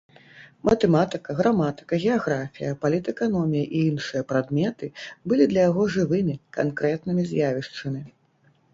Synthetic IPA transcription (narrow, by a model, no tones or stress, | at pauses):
mɐt̪ɛmat̪ɨkɐɣɾamat̪ɨ̥kɐɣʲɛaɣɾafʲijɐpalʲit̪ɛkanɔmʲijɐʔiinʂɨjɐpɾad̪mʲɛt̪ɨbɨlʲid̪lʲɐjaɣɔʐɨvɨmʲika̰nkɾɛt̪nɨmʲizʲjavʲiʂt͡ʂɨmʲi